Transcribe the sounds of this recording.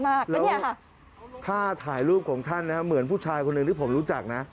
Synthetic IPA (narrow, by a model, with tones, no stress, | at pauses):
maː˥˩klɛː˦˥w | t̪ʰaː˥˩t̪ʰaː˩˦jɾuː˥˩p̚kʰɔː˩˦ŋt̪ʰa˥˩nːa˦˥a˦˥mɯ˩˦ənpʰuː˥˩t͡ɕʰaː˧jkʰo˧nːɯ˧ŋt̪ʰiː˥˩pʰo˩˦mɾuː˦˥t͡ɕa˨˩k̚na˦˥